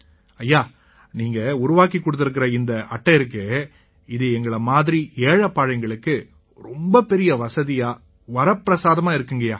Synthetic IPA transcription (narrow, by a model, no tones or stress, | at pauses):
ɐjːaː | niːŋɡɐʊɾʊʋaːkikːɔɽɯt̪ːɪɾɯk̬ːɪɾɐɪnd̪ɐʔɐʈːɐɪɾɯk̬ːeː | ɪðɯɛŋɡɐɭɐmaːðɪɾieːɻɐpːaːɻɐŋɡɐɭɯkːɯ | ɾɔmbɐpɛɾɪjɐʋɐsɐðɪjaː | ʋɐɾɐpːɪɾɐsaːðɐmaːɪɾɯkːɯŋɡɐjaː